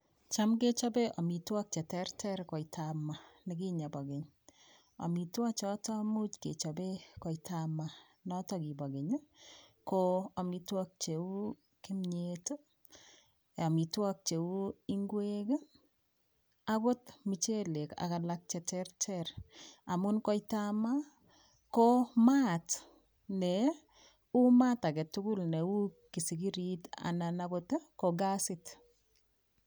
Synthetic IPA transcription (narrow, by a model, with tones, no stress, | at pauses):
t͡ʃa˦mke˦t͡ʃɔ˦be˦ɔ˨mi˨twɔ˦k̚t͡ʃɛ˨tɛ˦rtʰɛ˦ɾkɔ˨itʰama˨nɪ˨ki˦ɲa˨bɔ˨ɡɪ˨ɲ | ɔ̰˨mi˨twa˦t͡ʃɔ˦tɔ˦mu˦t͡ʃkḛ˨t͡ʃɔ˨be˦kɔ˨itʰama˨ | nɔ˦tɔ˦ki˨bɔ˨ɡe˨ɲ˦koa˨mi˨twɔ˦k̚t͡ʃe˨u˦ | ki˦mɲeto˦ | ɔ˨mi˨twɔ˦k̚t͡ʃe˨u˦i˦ŋɡwek | a˦kɔ˦tmi˨t͡ʃe˦le˨ka̰˨ka˨lak̚t͡ʃɛ˨tɛɾtɛɾa˨mʊ˦nkɔ˦jtama˦ | kɔmat | nɛ | u˦ma˦ta˨kɛ˨tʊ˦kʊ˦lnɛ˨u˦ | ki˨si˨ɡi˦ɾita̰˨nanakɔte˦kɔɡa˦sɪt